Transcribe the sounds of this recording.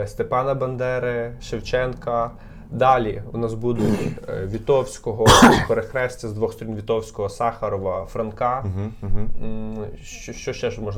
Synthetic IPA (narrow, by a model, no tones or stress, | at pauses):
st̪epɑnɐbɐnd̪ɛɾɪʃewt͡ʃɛnkɐ | d̪ɑlʲiʊnɑsbud̪ʊʋʲit̪ɔwsʲkɔɦɔukɔɾexɾɛsʲtʲɐzd̪ʋɔxst̪ɔɾʲinʋʲit̪ɔwsʲkɔɦɔsɑxɐɾɔʋɐfɾɐnkɑɦ | ʃt͡ʃɔʃt͡ʃɔʃt͡ʃɛʒmɔʒn